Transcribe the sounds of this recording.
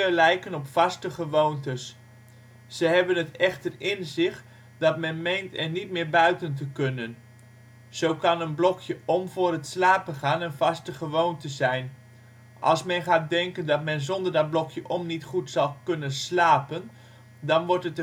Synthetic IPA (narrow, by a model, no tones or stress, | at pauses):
əlɛjkənɔpfɑstəχəʋowntəsː | əɦɛbənətɛχtərɪnzɪχ | dɑtmɛnmejntɛrnitmɪːɹbœɥtəntəkɵnən | z̥owkɑnənblɔkʰjəʔɔmvʊːrətslaːpəχaːnənvɑstəχəʋowntəzɛjn | ʔɑ̰lˠsmɛnχaːt̚dɛŋkəndɑtmɛnzɔndəɹdɑd̚blɔkʰjəʔɔmnitχutsɑlˠkɵnənslaːpən | dɑnʋɔɹtət